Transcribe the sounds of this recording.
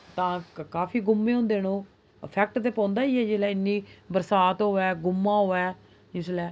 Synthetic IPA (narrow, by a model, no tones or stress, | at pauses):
t̪ãːkaːpʰiːɡʊmːeːõːnd̪eːnõː | əpʰɛːk̚ʈt̪eːpãːnd̪aːiːɦɛːd͡ʒɪlɛːɪnːiːbəɾsaːt̪ɦoːʋɛːɡʊmːãːɦoːɛː | d͡ʒɪslɛː